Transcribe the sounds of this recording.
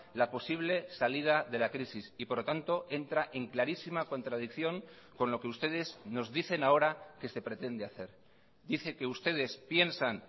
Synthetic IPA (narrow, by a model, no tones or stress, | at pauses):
lapo̞siβ̞le̞salið̞aðe̞lakɾisisipo̞ɾlo̞t̪ant̪o̞ʔe̞nt̪ɾaʔe̞ŋklaɾisimako̞nt̪ɾað̞ikθjo̞ŋ | ko̞nlo̞ke̞ust̪e̞ð̞e̞zno̞zðiθe̞nao̞ɾake̞se̞pɾe̞t̪e̞nd̪eaθe̞ɾ | d̪iθe̞ke̞ust̪e̞ð̞e̞spje̞nsan